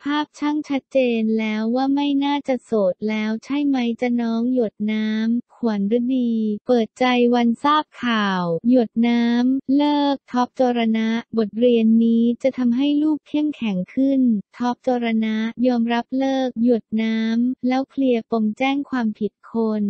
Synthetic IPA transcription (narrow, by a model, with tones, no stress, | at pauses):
pʰaː˥˩p̚t͡ɕʰa˥˩ŋt͡ɕʰa˦˥t̪̚t͡ɕeː˧nlɛː˦˥wːaː˥˩ma˥˩jnaː˥˩t͡ɕa˨˩soː˨˩t̪̚lɛː˦˥wt͡ɕʰa˥˩jma˦˥jt͡ɕa˨˩nɔː˦˥ŋju˨˩t̪̚naː˦˥mkʰu˨˩˦ənɾɯ˦˥diː˧pɤː˨˩t̪̚t͡ɕa˧jwa˧nsaː˥˩p̚kʰaː˨˩wju˨˩ət̪̚naː˦˥mlɤː˥˩k̚t̪ʰɔː˦˥p̚t͡ɕoː˧ɾa˧na˦˥ʔbo˨˩t̪̚ɾi˧ənːiː˦˥t͡ɕa˨˩t̪ʰa˧mɦa˥˩jluː˥˩k̚k̪ʰːi˥˩əmkʰɛ˨˩˦ŋkʰɯ˥˩nt̪ʰɔ˦˥p̚t͡ɕoː˧ɾa˧na˦˥jɔː˧mɾa˦˥p̚lɤː˥˩k̚ju˨˩ət̪̚naː˦˥mlɛː˦˥wpʰli˧əpo˧ŋt͡ɕɛː˥˩ŋkʰwaː˧mpʰi˨˩t̪̚kʰo˧n